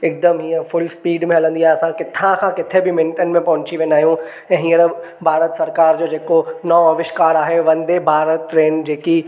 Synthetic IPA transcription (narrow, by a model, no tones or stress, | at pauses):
ɪk̚d̪əmɦĩːəɾfʊlspiːɖmẽɦɐlə̃nd̪iaːɦeɐsãkɪt̪ʰãkʰãkɪt̪ʰebɪmɪ̃nʈənmẽpɐɦʊ̃ɲt͡ɕiʋẽːnaːɦijũ | ɛ̃ːɦĩːəɾ | bʱaːɾət̪sɐɾkaːɾd͡ʑoːd͡ʑeːkonɐɐʋɪʃkaːɾaːɦeʋɐ̃nd̪ebʱaːɾət̪ːɾeːnd͡ʑeːki